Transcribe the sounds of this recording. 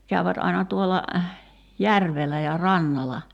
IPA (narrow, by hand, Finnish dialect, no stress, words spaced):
kæyʋæt ɑinɑ tuolːɑ jærʋelˑæ jɑ rɑnːɑlɑ